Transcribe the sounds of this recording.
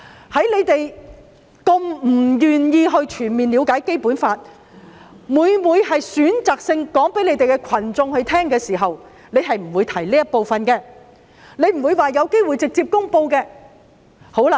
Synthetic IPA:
hɐ˨˥jle˨˧jt̪e˨j | ko˧ŋm̩˨˩jyː˨njiː˧ɦɵ˧ɥt͡ʃʰyː˨˩nmiː˨nliː˨˧wkaː˨˥jke˥jpuː˨˥nfaː˧t̚ | muː˨˧jmuː˨˧jhɐ˨jsyː˨˥nt͡saː˨˩k̚sɪ˧ŋkɔː˨˥ŋpe˨˥le˧jt̪e˨jkɛ˧kʷʰɐ˨˩nt͡sʊ˧ŋhɵ˧ɥt̪ʰɛː˥ŋkɛː˧siː˨˩ɦɐ˨w | ne˨˧jɦɐ˨jm̩˨˩wu˨˧jt̪ʰɐ˨˩jliː˥jɐ˥t̚po˨wfɐ˨nkɛː˧ | ne˨˧jm̩˨˩wuː˨˧jwaː˨jɐ˨˧wke˥jwu˨jt͡sɪ˨k̚t͡siː˧p̚kʊ˥ŋpo˧wkɛː˧ | ho˨˥wla˨

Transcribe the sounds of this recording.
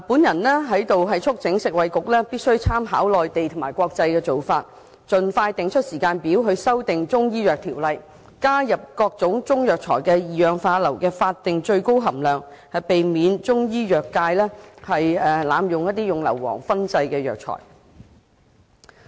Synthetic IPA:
puː˨˥njɐ˨˩nlɛː˥ɦɐ˨˥jt̪o˨wɦɐ˨jt͡sʰʊ˥k̚t͡sɪ˨˥ŋsɪ˨k̚wɐ˨˧jkʊ˨k̚lɛː˥piː˥t̚sɵ˥ɥt͡sʰaː˥mɦaː˨˥wlɔː˨jt̪e˨jt̪ʰmaː˨˩jkʷɔː˧k̚t͡sɐ˧jkɛː˧t͡so˨wfaː˧t̚ | t͡ʃɵ˨nfaː˧jt̪ɪ˨ŋt͡ʃʰɵ˥t̚siː˨˩kaː˧npiː˨˥wɦɵ˨˧ɥsɐ˥wt̪ɪ˨ŋt͡sʊ˥ŋjiː˥jœː˨k̚t̪ʰiː˨˩wlɐ˨j | kaː˥jɐ˨p̚kɔː˧k̚t͡sʊ˨˥ŋt͡sʊ˥ŋjœː˨k̚t͡sʰɔː˨˩jkɛː˧jiː˨jœː˨ŋfaː˧tlɐ˨˩wkɛː˧faː˧t̚t̪ːɪ˨ŋt͡ʃɵ˧ɥko˥wɦɐ˨˩mlœː˨ŋ | hɐ˨jpe˨jmiː˨˧nt͡sʊ˥ŋjiː˥jœː˨kːaː˧jlɛː˥hɐ˨jɛ˨la̰ː˨˧mjʊ˨ŋjɐ˥t̚t̪iː˥jʊ˨ŋlɐ̰˨˩wːɔ̰ː˨˩ŋfɐ˥nt͡sɐ˧jkɛː˧jœ̰ː˨˩k̚t͡sʰɔ̰ː˨˩j

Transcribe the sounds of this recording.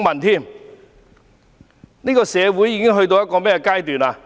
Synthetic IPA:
ŋmɐ˨˩nt̪ʰiː˥˩m | niː˥kɔː˧sɛː˨˧wu˨˥jːiː˨˧kɪ˥ŋɦɵ˧ɥt̪̬o˧wjɐ˥tkɔː˧mɛː˥ɛ˧kaː˥jt̪yː˨naː˧

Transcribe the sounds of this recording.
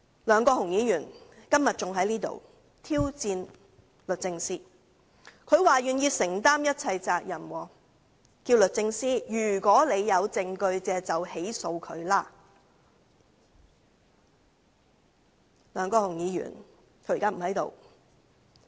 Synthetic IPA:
lœː˨˧ŋkɔː˧hʊ˨˩ŋjiː˨˧jyː˨˩nkɐ˥mjɐ˨t̚t͡sʊ˨ŋɦɐ˨˥jniː˥t̪o̰˨w | t̪ʰiː˥wt͡siː˧n | lɵ˨t̚t͡sɪ˧ŋsiː˥ | kʰɵ˨˧ɥwaː˨˩jyː˨njiː˧sɪ˨˩ŋt̪aː˥mjɐ˥t̚t͡sʰɐ˧jt͡saː˧k̚jɐ˨˩mwɔː˨˩ | kiː˧wlɵ˨t̚t͡sɪ˧ŋsiː˥jyː˨˩kɔː˨˥le˨˧jjɐ˨˧wt͡sɪ˧ŋkɵ˧ɥt͡sɛː˧t͡sɐ˨whe˨˥jso˧wkʰɵ˨˧ɥlaː˥ | lœː˨˧ŋkɔː˧hʊ˨˩ŋjiː˨˧˥jy̰ː˨˩n | kʰɵ˧˥˨kaː˥m̩˨˩hɐ˨˥jt̪o̰˨w

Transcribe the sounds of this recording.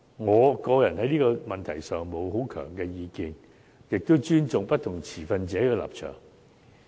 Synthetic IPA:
ŋɔː˨˧kɔː˧jɐ˨˩nhɐ˨˥jniː˥kɔː˧mɐ˨nt̪ʰɐ˨˩jsœː˨ŋmo˨˧who˨˥wkʰœ̰ː˨˩ŋkɛː˧jiː˨˧kiː˧n | jɪ˨k̚t̪o˥wt͡ʃyː˥nt͡sʊ˨ŋpɐ˥t̚t̪ʰʊ˨˩ŋt͡sʰiː˨˩fɐ˧nt͡sɛː˨˥kɛː˧la̰ː˨p̚t͡ʃʰœ̰ː˨˩ŋ

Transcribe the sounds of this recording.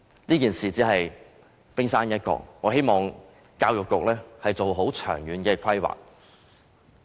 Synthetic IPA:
niː˥kiː˨˩nsiː˨t͡siː˨˥ɦɐ˨j | pɪ˥ŋsaː˥njɐ˥t̚kɔ̰ː˧˩ŋɔː˨˧ɦe˥jmɔː˨ŋ | kaː˧wjʊ˨kːʊ˨k̚lɛː˥hɐ˨jt͡so˨wɦo˨˥wt͡ʃʰœ̰ː˨˩ŋjyː˨˧nkɛː˧kʷʰɐ˥jwa̰ː˨k̚

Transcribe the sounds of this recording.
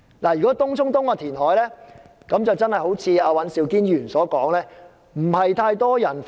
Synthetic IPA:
laː˨˩jyː˨˩kɔː˨˥t̪ʊ˥ŋt͡sʰʊ˥ŋt̪ʊ˥ŋaː˧t̪ʰiː˨˩nɦɔː˨˥jlɛː˥ | kɐ˨˧˥mt͡sɐ˨wt͡sɐ˥nhɐ˨jho˨˥wt͡sʰiː˨˧aː˧wɐ˨˧˥nsiː˨˧wkiː˥njyː˨˩nsɔː˨˥kɔː˨˥ŋlɛː˥ | m̩˨˩hɐ˨jt̪ʰaː˧jt̪ɔː˥jɐ˨˩nf

